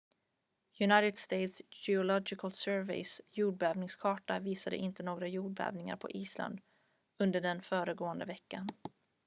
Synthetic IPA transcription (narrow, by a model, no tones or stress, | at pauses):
jɵnajt̪ɪd̪st̪ejt̪sd͡ʒɛʊlɔɡɪkalsœːɾvɛ̰ɪsjuːɖ̚bɛːvnɪŋskʰɑːʈaviːsad̪ə̰ʔɪnt̪ənoːɡɾajuːɖ̚bɛ̰ːvnɪŋa̰ɾpʰɔ̰ʔiːsla̰nd̪ | ɵnd̪əɖɛnfœːɾəɡoːənd̪əvɛkːan